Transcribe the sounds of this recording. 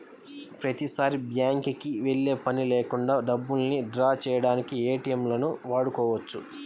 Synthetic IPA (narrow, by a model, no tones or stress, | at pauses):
pɾɐt̪isaːɾibjaːŋkikiʋe̞ɭːe̞ːpɐnileːkuɳɖaːɖɐbːulniɖɾaːt͡ʃɛːjɐɽaːnikieːʈijɐmlɐnuʋaːɽukɔːʋɐt͡ʃːu